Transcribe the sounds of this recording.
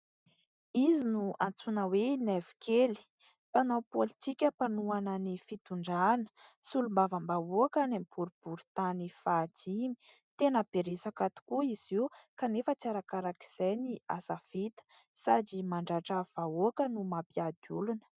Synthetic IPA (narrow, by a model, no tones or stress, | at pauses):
izinuʔant͡sunəwenɛvi̥kʰeli̥ | panowpolit̪ikʲəpanuanənifit̪uɳɖ͡ʐanə̥sulumbavəmbaoakanemipuɾub̥uɾut̪anifad͡zimi̥ | t̪enəpeɾesakat̪u̥kuiz̥iwkanefət͡saɾakaɾaki̥z̥ejnia̰safit̪ə̥sad͡ʒimaɳɖ͡ʐaʈ͡ʂəv̥aokənumapiad̪ulunə̥